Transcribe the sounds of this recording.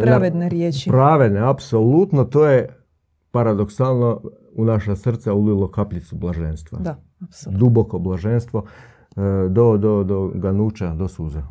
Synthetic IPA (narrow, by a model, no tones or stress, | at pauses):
ɾaʋed̪neɾjeːt͡ʃipɾaːʋe̞d̪neapsolut̪not̪oːje | paɾad̪oksaːlˠno̞ | unaʃasr̩t̪saulilo̞kapʎit̪sublaʒeːnst̪ʋa̰d̪a | sd̪uboko̞blˠaʒenst̪ʋo | d̪od̪od̪oɡanut͡ʃad̪osuːza